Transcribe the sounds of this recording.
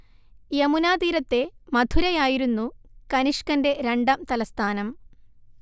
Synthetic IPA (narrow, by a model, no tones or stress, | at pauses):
jɐmunaːd̪iːɾɐt̪ːe̞mɐd̪ʱuɾɐjaːjiɾunːukɐniʂkɐnde̞ɾeɳɖɐmt̪ɐlɐst̪ʰaːnɐm